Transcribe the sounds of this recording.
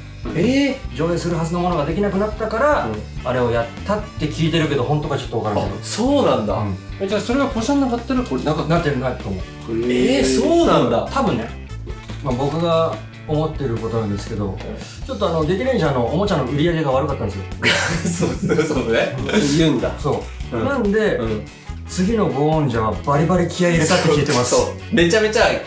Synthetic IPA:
ed͡ʑo̞ːesɨɾɯ̟ɦazɨnomo̞no̞ɡad̪e̞kʲinakɯ̟nat̪ːakaɾaaɾe̞o̞jat̪ːat̪ːe̞kʲiːt̪e̞ɾɯ̟ke̞d̪o̞ɦõ̞nt̪o̞ɡat͡ɕo̞t̪ːoakaɾosoːnãnd̪a̰ad͡ʑaso̞ɾeɡakosãnːakat̪ːaɾɯkoaknat̪ːeɾɯ̟nat̪ːomo | esoːnãnd̪at̪abɯ̟̃nːe | mabo̞kɯ̟ɡa | omo̞t̪ːe̞ɾɯ̟ko̞t̪o̞nãnd̪e̞sɨ̥ke̞d̪o̞̰ | t͡ɕo̞t̪ːo̞ano̞d̪ek̪ʲiɾẽɕano̞ːmo̞t͡ɕãnoɯ̟ɾʲijaɡe̞ɡaβaɾɯ̟kat̪ːand̪sjososoejɯ̟ːnd̪a̰so̞ː | nãnd̪e̞ | t͡sɨɡʲino̞ɡo̞õɲ̟d͡ʑaβabaɾʲibaɾʲikʲijaiɾɯt̪at̪ːekiet̪e̞masɨo | me̞t͡ɕame̞t͡ɕa

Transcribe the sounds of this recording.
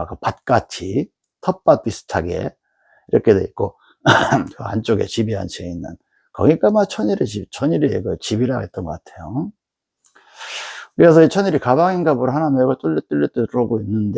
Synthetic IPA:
kɯpat̚k͈at͡ɕʰi | tʰʌp͈ap͈isʰɯ̥tʰaɡḛ | iɾʌkʰedeik͈o | kɯa̰nt͡ɕ͈oɡḛt͡ɕibiɦa̰nt͡ɕʰieinːɯ̰n | kʌŋik͈amat͡ɕʰʌɲiɾet͡ɕit͡ɕʰʌɲiɾiɡɯt͡ɕibiɾaɡet͈ʌnɡʌk͈atʰe̞jo | kɯɾe̞s̬ʰʌit͡ɕʰʌɲiɾikabaŋinɡabuɾoɦanameɡot͈oɭːet͈ɯʎːit͈ɯuɾʌɡoinːɯnde

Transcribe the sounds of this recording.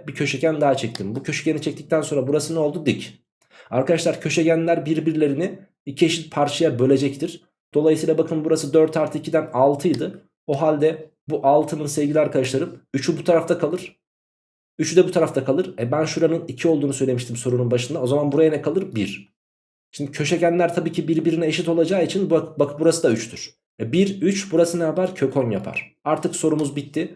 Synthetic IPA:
bicʰø̞ʃeɟænd̪aɦat͡ʃʰɛc̚t̪ʰimbucʰø̞ʃɛɟenit͡ʃʰɛct̪i̥c̚t̪ʰænso̞nɾabuɾasɯnɛo̞lˠd̪ud̪ic | aɾkad̪aʃlˠaɾcʰø̞ʃeɟænlʲæɾbiɾbiɾlʲe̞ɾini | icʰieʃit̪̚pʰaɾt͡ʃʰajabø̞lʲe̞d͡ʒɛct̪ʰiɾ̥ | d̪̥o̞lˠajɯsijlˠabakʰɯnbuɾasɯd̪ø̞ɾt̪ʰaɾt̪ʰɯicʰid̪ænalˠt̪ʰɯjd̪ɯ | o̞ɦalʲd̪ɛ | buʔalˠt̪ʰɯnɯnsɛvɟilʲiaɾkʰad̪aʃlˠaɾɯmyt͡ʃʰybut̪ʰaɾaft̪akʰalˠɯɾ̥ | yt͡ʃʰyd̪ɛbut̪ʰaɾaft̪akʰalˠɯɾɛbænʃuɾanɯnicʰio̞lˠd̪uːnusø̞jlʲe̞miʃt̪ʰimso̞ɾununbaʃɯnd̪ao̞zamanbuɾajanɛkʰalˠɯɾbiɾ̥ | ʃind̪icʰø̞ʃecænlʲæɾt̪ʰabiːcʰibiɾbiɾinɛeʃit̪o̞lˠad͡ʒaːit͡ʃʰinbbakbuɾasɯd̪ayt͡ʃt̪ʰyɾ̥ | ɛbiɾyt͡ʃbuɾasɯnɛabaɾcʰø̞kʰo̞nja̰pʰa̰ɾ̥aɾt̪ʰɯkso̞ɾumuzbit̪ʰːɪ

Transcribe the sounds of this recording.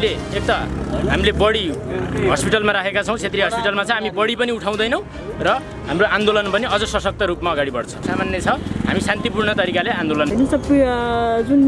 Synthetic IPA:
ileek̚t̪aɦamilebʌɽiɦʌspiʈalmaɾakʰekat͡sʰʌw̃t͡sʰet̪riɦʌspiʈalmat͡sʌ̃ɦamibʌɽipʌniuʈʰaw̃d̪ʌjnʌw̃ | rʌ | ɦamroand̪olʌnpʌniʌd͡zʌsʌsʌk̚t̪ʌɾupmaʌɡaɽibʌɽt͡sʰʌ̥samanjʌt͡sʰʌɦa̰misant̪ipurɳʌt̪ʌɾikaleand̪olʌnnisʌb | d͡zun

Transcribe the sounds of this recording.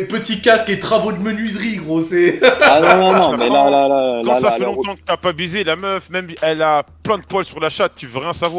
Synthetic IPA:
pət̪ikʲasket̪χavod̪əmənɥizʁiɡʁoseanɔ̃nɔ̃nɔ̃mɛlalalaãafɛlɔ̃t̪ɑ̃kət̪yapabizelamœfmɛmɛlaplɛ̃d̪əpwalsyʁlaʃat̪ːyvʁɛɛ̃savwa

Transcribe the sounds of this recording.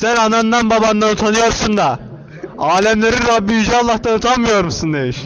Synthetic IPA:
sænanand̪anbaband̪anut̪ʰanɯjo̞ɾsund̪a | aːlʲɛmlʲeɾiɾabːiid͡ʒɛalˠːaht̪anut̪ʰanmɯjo̞ɾmusund̪emiʃ

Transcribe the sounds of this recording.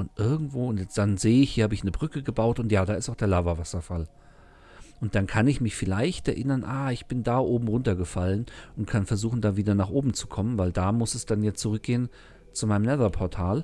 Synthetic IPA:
ʔʊntʔɪɐɡŋ̩tv̥oːʊntjɛt͡sd̥anzeːəɪçhiːɐhaːbəɪçnəbʁʏkəɡəbaʊtʊntjaːdaːɪstaʊd̥eːɐlaːvɐvasɐfal | ʔʊnt̚d̥ankʰanɪçmɪçfɪlaɪçtɛɐʔɪnɐnʔaːɪçb̥ɪndaːʔoːbm̩ʁʊntɐɡəfalənʔʊntkʰanfɛɐzuːxn̩daːviːdɐnaːχʔoːbm̩t͡su̥kʰɔmənvaɪldaːmʊsɛsd̥anjat͡suʁʏk̚ɡ̥eːən | t͡sumaɪnəmnɛðɐpʰɔɐtʰaːl

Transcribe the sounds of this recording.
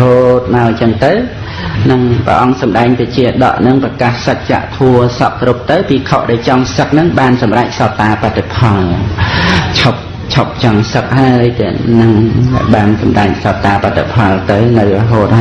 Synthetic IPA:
ɦoːt̪̚maɔt͡ɕəŋt̪ɨw | nɨŋprə̰ʔɑŋsɑmɗaɛŋt̪ɨt͡ɕiəɗɑ̰ʔnɨŋprɑkahsək̚t͡ɕa̰ʔt̪ʰuəsɑkkrup̚t̪ɨwpiːkʰoʔɗaɛlt͡ɕɑŋsək̚nɨŋɓaːnsɑmrac̚sɑt̪aːpat̪ːepʰɑl | t͡ɕʰop̚ | t͡ɕʰop̚t͡ɕɑŋsək̚ɦaəəjt̪ɛənɨŋɓaːnsɑmɗaɛk̚sɑt̪aːpat̪ːepʰɑlt̪ɨwnɨwrɔɦoːt̪̚a

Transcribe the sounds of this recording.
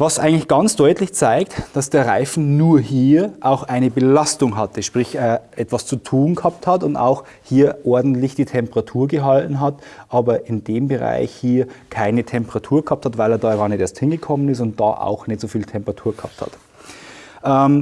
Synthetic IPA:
vasʔa̰ɪɡŋ̩tlɪçɡ̥ant͡sd̥ɔʏtlɪçt͡saɪktd̥asd̥eːɐʁa̰ɪfn̩nuːɐhiːɐʔaʊxʔaɪnəbəlastʊŋɦatʰəʃpʁ̥ɪçɛːʔɛtv̥ast͡sutʰuːnɡkəhap̚thatʊnda̰ʊx | hiːɐʔɔɐdn̩tlɪçd̥iːtʰɛmpəʁatʰuːɐɡəɦaltn̩ɦatʔaːbɐʔɪndeːmbəʁa̰ɪçhiːɐkʰaɪnətʰɛmpəʁatʰuːɐkəhɑːp̚thatvaɪleːɐdaːɡaːɐnɛteːɐsthɪnɡəkʰɔmənɪstʊnt̚d̥a̰ːʔa̰ʊxnɛtz̥oːfiːltʰɛmpəʁatʰuːɐɡəha̰ːp̚tha̰t | ʔɛm

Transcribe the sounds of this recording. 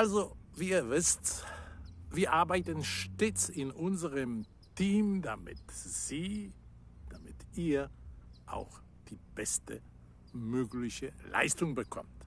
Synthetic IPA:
ʔalzoviːɐvɪst | viːɐʔaɐbaɪtənʃteːt͡sɪnʔʊnzəʁəm | tʰiːmdamɪ̰tz̥iː | d̥amɪtʔiːɐʔa̰ʊx | d̥iːb̥ɛstə̰ | møːklɪçəlʔa̰ɪstʊŋbəkʰɔ̰mt

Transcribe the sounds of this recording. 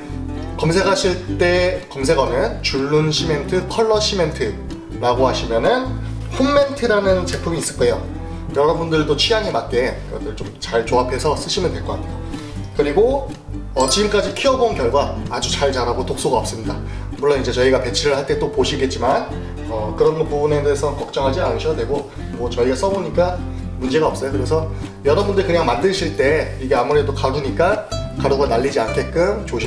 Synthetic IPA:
kʌmsʰe̞kʰaɕʰiɭt͈e̞kʌms̬ʰe̞ɡʌnɯnt͡ɕuɭːunɕʰime̞ntʰɯkʰʌɭːʌɕ͈ʰime̞ntʰɯ | ɾaɡohaɕʰimjʌnɯn | ɸonːe̞ntʰɯɾanɯnt͡ɕe̞pʰumiːs͈ɯk͈ajo̰ | jʌɾʌbundɯɭdot͡ɕʰijaŋɦe̞mat̚k͈e̞ɯɡʌt͈ɯɭt͡ɕomt͡ɕaɭt͡ɕoapʰe̞sʰʌs͈ɯɕʰimjʌndwe̞ɭk͈ʌk͈a̰tʰjo | kɯɾiɡo | ʌt͡ɕiɡɯmk͈ad͡ʑikʰiʌbonkjʌɭɡwaad͡ʑut͡ɕaɭt͡ɕaɾaɡotok̚s͈oɡaʌps͈ɯmɲida | muɭːonid͡ʑe̞t͡ɕʌiɡape̞t͡ɕʰiɾɯɭhaɭt͈e̞t͈opoɕʰiɡe̞t̚t͡ɕ͈iman | ʌkɯɾʌmpubune̞desʰʌkʌk̚t͡ɕ͈ʌŋɦad͡ʑianɯɕʰiɡadwe̞ɡo | mʌt͡ɕʌiɡas͈ʌboɲik͈a | mund͡ʑe̞ɡaʌps͈ʌjokɯɾe̞sʰʌ | jʌɾʌbundɯɾkɯɲaŋmandɯɕʰiɭt͈e̞iɡe̞amuɾe̞dokaɾuɲik͈akaɾoɡanaʎːid͡ʑiankʰe̞k͈ɯmt͡ɕoɕʰ

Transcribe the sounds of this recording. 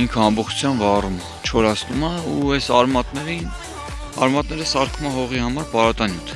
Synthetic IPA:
iŋkʰəɑmbɔχt͡ʃʰu̥t͡sʰjɑmvɑrum | t͡ʃʰɔɾɑsʰnumɑuɛsɑɾmɑt̪nɛɾin | ɑ̰ɾmɑt̪nɛɾəsɑɾkʰumɑɦɔʁihɑmɑɾpɑɾɑt̪ɑnjut̪ʰ

